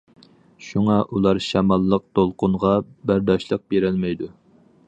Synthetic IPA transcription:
ʃuŋɑʔulˠɑɾʃɛmɑlˠːəq̚t̪olˠqʊnʁɑbæɾd̪ɑʃlˠəq̚beɾɪlmɛjd̪u

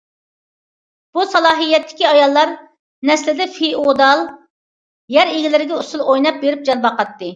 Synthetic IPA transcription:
b̥usɑlˠɑːɦijːɛt̪ʰːɪ̥kʲiɑjɑlˠːɑɾ | nɛslɪd̪ɛfiod̪ɑlˠ | jɛɾeɡʲilɪɾɪɡʲɛusulˠojnɑp̚beɾɪp̚d͡ʒɑnbɑqɑt̪ːɨ

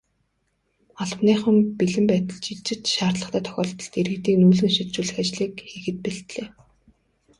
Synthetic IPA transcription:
ɔɮ̆pniːχə̆mpiɮɘ̆mpæːt̪ə̆ɮt͡ɕiɮt͡ɕɪ̆t͡ɕʃaːrt̪ɮə̆χt̪ʰæːt̪ʰœ̥xʲɔːɮt̪ɞ̆ɬt̪eɾɘ̆t̪iːknuːɮɘ̆ŋʃit̪t͡ɕuːɮɘ̆xat͡ɕɮiːkxixɘ̆t̪̚piɬt̪ɮeː

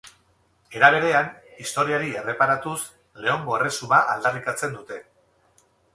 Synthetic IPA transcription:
e̞ɾaβ̞e̞ɾe̞anist̪o̞ɾiaɾie̞re̞paɾat̪us | le̞o̞ŋɡo̞e̞re̞sumaʔald̪arikat͡se̞nd̪ut̪e̞

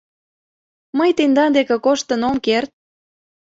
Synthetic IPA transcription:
məjt̪end̪ɑnd̪ekekoʃt̪ənomkert̪̚

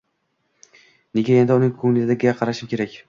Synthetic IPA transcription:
neɡʲae̞nd̪ɪʊnɪŋkʰɵŋlɪzɪd̪aɡʲɪɡʲaqʰɑɾaʃɪmkʲʰeɾakʲ

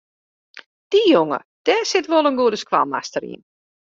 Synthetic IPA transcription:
d̥ijoŋə̰ | d̥ɛːsɪtʋolˠənɡuədəskʋa̰lˠma̰stəɾḭən

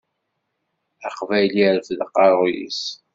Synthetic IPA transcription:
æqvæjliɾfðqːɑɾˤjḭs

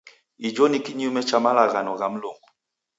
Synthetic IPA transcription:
id͡ʒɔnikiɲiumɛt͡ʃamalaɣanɔɣam̩lɔŋɡɔ

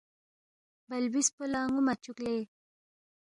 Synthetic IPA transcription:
bɐlbispolaːŋumat͡ʃukle

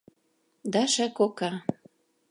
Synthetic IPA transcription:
d̪ɑʃækokɑ

